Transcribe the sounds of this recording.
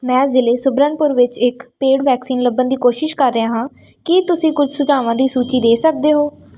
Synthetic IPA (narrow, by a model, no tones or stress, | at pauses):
mɛ̃ːzɪleːsʊbɾənpʊɾʋɪt͡ʃɪkpeːɽʋɛːksiːnləbːənd̪iːkoːʃɪʃkəɾːəãːɦãː | kɪt̪ʊsĩːkʊd͡ʒʱsʊd͡ʒaːʋãːd̪iːsuːt͡ʃiːd̪eːsək̚d̪eːɦoː